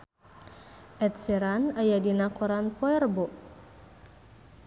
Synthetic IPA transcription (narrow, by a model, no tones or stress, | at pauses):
ʔɛt̪̚siɾanajadinakɔɾanpɔɛrbɔʔ